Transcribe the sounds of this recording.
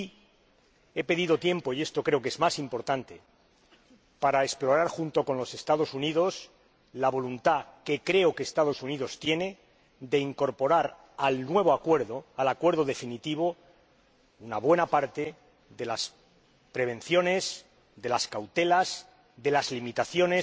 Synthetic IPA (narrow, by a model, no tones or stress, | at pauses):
e̞pe̞ðiðo̞t̪je̞mpo̞ie̞st̪o̞kɾe̞o̞ke̞zmasimpo̞ɾt̪ant̪e | paɾaeksplo̞ɾaɾxunt̪o̞ko̞nlo̞se̞st̪að̞o̞suniðo̞s | laβo̞lunt̪ake̞kɾe̞okeːst̪að̞o̞suniðo̞st̪je̞ne̞ | d̪e̞iŋko̞ɾpo̞ɾaɾ | alnwe̞β̞o̞akwe̞ɾðo̞alakwe̞ɾð̞o̞ð̞e̞finit̪iβ̞o̞ | unaβwe̞napaɾt̪e̞ | ðe̞las | pɾe̞β̞ẽ̞nθjo̞ne̞s | d̪e̞laskawt̪e̞las | d̪e̞lazlimit̪aθjo̞ne̞s